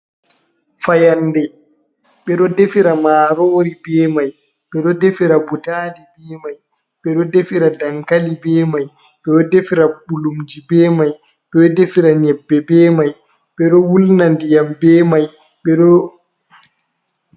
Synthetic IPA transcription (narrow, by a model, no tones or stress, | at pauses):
fajanːdɛ | ɓɛɗɔdefiɾamaːɾoːɾibɛːmaj | ɓɛɗɔdefiɾabutaːdibɛːmaj | ɓɛɗɔdefiɾadaŋkalibɛːmaj | ɓɛɗɔdefiɾabulumd͡ʒibɛːmaj | ɓɛɗɔdefiɾaɲɛbːɛbɛːmaj | ɓɛɗɔwulnandijambɛːmaj | ɓɛɗɔ